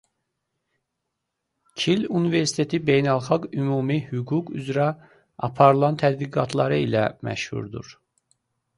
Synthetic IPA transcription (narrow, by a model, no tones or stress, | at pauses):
cʰilunive̞ɾsi̥t̪ʰe̞t̪ʰibejnælˠxɑɡymuːmihyɡuɡy̰zɾæ | ɑpʰɑɾɯlˠɑnt̪ʰæd̪biɡɑt̪ʰlˠɑɾɯilæmæ̰ʃhṵɾd̪ṵɾ